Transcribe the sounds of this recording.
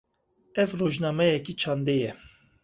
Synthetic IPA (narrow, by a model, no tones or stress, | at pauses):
ɛvroʒnɑːmɛjɛkit͡ʃʰɑːnd̪ejɛ